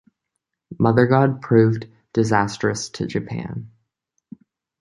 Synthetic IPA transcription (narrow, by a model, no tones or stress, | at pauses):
mʌðə˞ɡɑd̚pʰɹ̥ʉv | d̥ɨzæstɹ̥ɨstʰɨ̰d͡ʒɨpʰæ̰̃n